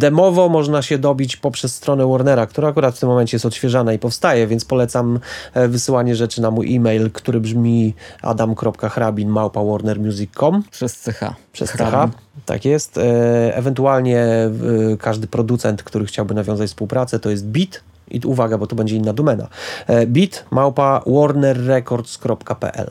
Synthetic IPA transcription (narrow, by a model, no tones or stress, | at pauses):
d̪ɛmɔvɔmɔʐnaɕɛd̪ɔbʲit͡ɕpɔpʂɛsːt̪ɾɔn̪ɛwɔɾnɛɾakt̪uɾaːkuɾat̪ft̪ɘmːɔmɛnt͡ɕɛjɛst̪ɔt̪ɕfʲjɛʐanaipɔfst̪ajɛvʲjɛnt̪spɔlɛt̪samvɘsɘwaɲɛʐɛt͡ʂɘnamujʔimɛjlkt̪uɾɘbʐmʲiʔa̰d̪amkɾɔpkaxɾabʲinmawpawɔɾnɛɾmʲjuzʲikʰːɔmpʂɛst̪sɛxa̰pʂɛ̰ssɛxa | t̪a̰kjɛst̪ɛ̰vɛnt̪ualɲɛ | kʰaʐd̪ɘpɾɔd̪ut̪sɛnt̪kt̪uɾɘxt͡ɕawbɘnavʲjɔ̃w̃zat͡ɕfspuwpɾat̪sɛt̪ɔjɛst̪̚bʲit̪ | ʔḭuvaɡabɔt̪ubɛɲd͡ʑɛinːad̪ɔmɛna̰bʲit̪mawpawɔɾnɛɾːɛkɔɾt̪skɾɔpkapɛ̰ʔɛ̰l